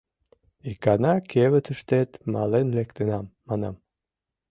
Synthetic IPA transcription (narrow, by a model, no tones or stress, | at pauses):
ikɑnɑkʰeβət̪əʃt̪et̪mɑ̰lenlekt̪ənɑmːɑnɑm